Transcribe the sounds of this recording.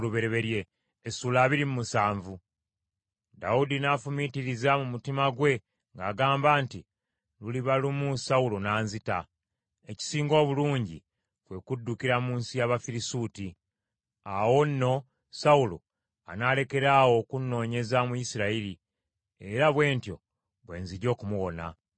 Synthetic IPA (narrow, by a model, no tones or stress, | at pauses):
luβe̞ɾe̞βe̞ɾje̞ː | suːlaːβiɾimumusaːɱvu | da̰wudinaːfumitiɾizamumutimaɡwe̞ | ŋɡa̰ːɡaːmbaːnti | luliβalimusaulo̞naːnzita | e̞ci̥siːŋɡo̞ːβuluːɲɟḭ | kwe̞kudːukiɾamuːnsijaβafiɾisuːti | awo̞nːo̞ | saulo̞̰ | anale̞ke̞ɾaːwo̞kunːo̞ːɲe̞zamuisiɾaiɾi | e̞ɾaβwe̞ːntjo̞̰ | βwe̞̰ːnziɟo̞ːkumuwo̞na̰